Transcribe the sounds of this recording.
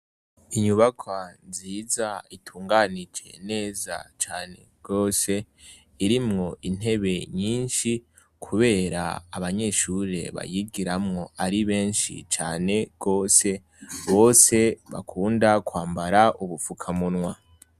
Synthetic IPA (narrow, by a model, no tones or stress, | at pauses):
iɲuβakʰwanziːzaitʰuːŋɡanid͡ʒe̞̰ne̞ːza̰t͡ʃaːne̞ɡ̥o̞ːse̞ | iɾimŋo̞ʔin̥e̞βe̞ɲiːnʃi | kʰuβe̞ːɾa̰a̰βaɲe̞ʃuɾe̞̰βa̰jiɡiɾamŋo̞aɾiβe̞ːnʃḭt͡ʃaːne̞ɡ̥o̞ːse̞ | βo̞ːse̞βa̰kʰuːndakwaːmbaɾaʔuβufukʰamunwa